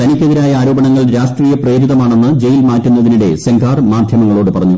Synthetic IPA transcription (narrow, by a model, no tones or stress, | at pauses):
t̪ɐnikʲːeðiɾaːjɐaːɾoːbɐɳɐŋːɐɭɾaːʂʈriːjɐpreːɾiðɐmaːɳe̞nːɨd͡ʑejilmaːtːunːɐðiniɽe̞̰sɐŋɡʱaːrmaːd̪ʱjɐmɐŋːɐɭo̞ːɽɨpɐrɐɲːu